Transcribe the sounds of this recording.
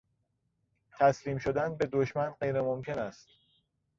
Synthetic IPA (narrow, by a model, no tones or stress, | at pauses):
t̪ʰæsliːmʃo̞d̪ænbe̞d̪oʃmænɢe̞jɾemomcʰe̞næst̪